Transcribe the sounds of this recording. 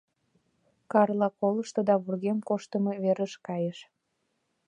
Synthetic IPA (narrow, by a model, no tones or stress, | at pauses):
kɑrlɑkoləʃt̪ɤd̪ɑβurɣemkoʃt̪əmeβeɾəʃkɑjeʃ